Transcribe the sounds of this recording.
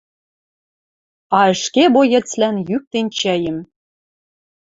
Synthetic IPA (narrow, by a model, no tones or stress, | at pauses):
ɑə̆ʃkebojɘ̆t͡slænjyk̚t̪ent͡ɕæjə̆m